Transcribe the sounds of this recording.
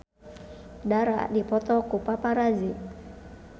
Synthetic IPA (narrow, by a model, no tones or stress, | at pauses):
daɾa̰dipɔt̪ɔkupapaɾazi